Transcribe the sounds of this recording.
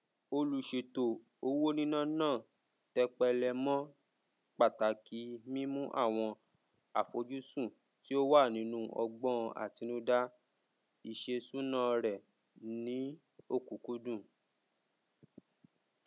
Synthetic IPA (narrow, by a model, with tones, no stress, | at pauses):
o˧lu˧ʃe˧to˨ | o˧wo˦nĩ˦nã˦nãː˦˨ | tɛ˧k͡pɛ˧lɛ˧mɔ̃˦ | k͡pa˦˨ta˨ki˨˦mĩ˦mũ˦ʔa̰˦˨w̃ɔ̃˧ | a˨fo˨˦d͡ʒu˦sũ˦˨ | ti˦o˦wa˦˨nĩ˨˦nũ˦ʔɔ˧ɡ͡bɔ̃˦˧ʔa̰˦˨ti˧˦nũ˦da˦ | i˨ʃe˧sũ˦nã˦˧ɾɛ˨ | nĩ˨˦ | o˦˨ku˨ku˨˦dũ˦˨